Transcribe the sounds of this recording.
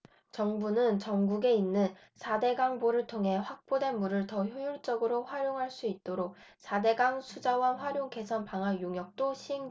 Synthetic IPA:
t͡ɕʌŋbunɯnt͡ɕʌŋɡuɡe̞inːɯn | sʰade̞ɡaŋboɾɯɭtʰoŋɦe̞ɸwak̚p͈ode̞nmuɾɯɭtʌçjojuɭt͡ɕ͈ʌɡɯɾoɸwaɾjoŋɦaɭs͈uit̚t͈oɾok̚ | sʰade̞ɡaŋsʰud͡ʑawaɸwaɾjoŋke̞sʰʌnpaŋɦanjoŋjʌk̚t͈oɕʰieŋ

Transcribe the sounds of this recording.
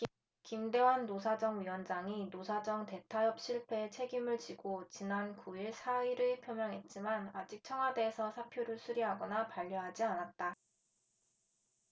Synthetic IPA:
kimde̞wanːosʰad͡ʑʌŋɥiwʌnd͡ʑaŋinosʰad͡ʑʌŋte̞tʰajʌp̚ɕ͈ʰiɭpʰe̞t͡ɕʰe̞ɡimɯɭt͡ɕiɡot͡ɕinankuiɭsʰaiɾɯpʰjomjʌŋɦe̞t̚t͡ɕ͈imanad͡ʑik̚t͡ɕʰʌŋɦwade̞ːsʰʌsʰapʰjoɾɯɭsʰuɾiɦaɡʌnapaʎːjoɦad͡ʑianat̚t͈a

